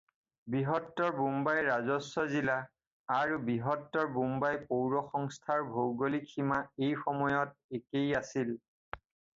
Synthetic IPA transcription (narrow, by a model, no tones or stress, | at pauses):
biɦɔtːɔɹbumbajɹazɔsːɔzilaː | ɹubiɦɔtːɔɹbumbajpowɹɔxɔŋstʰaɹbʱowɡolikʰimaejxɔmɔjɔt̚ekejasil